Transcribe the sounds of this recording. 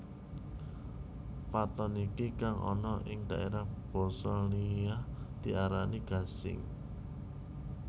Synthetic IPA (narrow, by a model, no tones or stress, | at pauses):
pat̪ɔnikikaŋʔɔ̰nɔʔɪŋd̪ä̤ʔeɾahb̥ɔ̤sɔliahd̪̥i̤ʔaɾaniɡ̥a̤sɪ̰ŋ